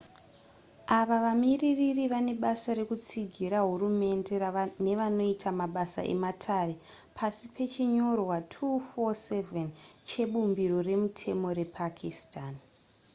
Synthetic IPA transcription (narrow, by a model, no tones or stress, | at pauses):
aʋaʋamiriririʋane̞ɓasaɾe̞kut͡siɡʱiɾaɦurume̞nde̞ne̞ʋano̞itʰamaɓasa̰ʔe̞̰matʰare̞ | pʰasipʰe̞t͡ʃiɲo̞rwatʰufose̞vent͡ʃe̞ɓumbiɾo̞re̞mutʰe̞mo̞ɾe̞pʰakʰistʰan